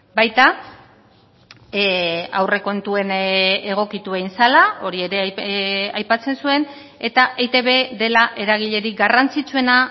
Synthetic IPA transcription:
bajt̪a | a̰wre̞ko̞nt̪ue̞ne̞ɣ̞o̞kit̪uejnsalao̞ɾie̞ɾe̞ | ajpat͡se̞nsue̞n | e̞t̪aʔet̪e̞βe̞ðe̞laʔe̞ɾaɣ̞iʎe̞ɾiɡarant͡sit͡sue̞na

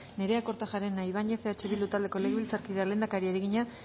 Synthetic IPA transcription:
ne̞ɾe̞ako̞ɾt̪aʝaɾenajβ̞aɲefeat͡ʃeβild̪ut̪ald̪e̞ko̞le̞ɣeβilt͡saɾkiðeale̞ːnd̪akaɾiaɾeɣiɲa

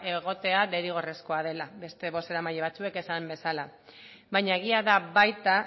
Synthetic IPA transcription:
e̞ɣo̞t̪e̞aðeɾiɣ̞o̞re̞sko̞að̞e̞labe̞st̪e̞βo̞se̞ɾamaʎe̞β̞at͡sue̞ke̞sambe̞sala | bajɲaeɣ̞iaðaβajt̪a

